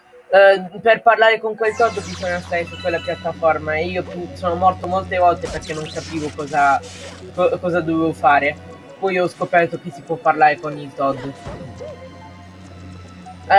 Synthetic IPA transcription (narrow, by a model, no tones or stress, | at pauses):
perparlaːɾekoŋkwelt̪ɔd̪ːbizɔɲːast̪aɾesukwelːapjat̪ːafɔrmaeiːosoːnomɔrt̪omolt̪evɔlt̪eperk̟enːoŋkapiːvokɔːzakɔkɔːzad̪ovevofaːɾe | pɔjɔskopɛrt̪ok̟esːipwɔpːarlaːɾekonit̪ɔd̪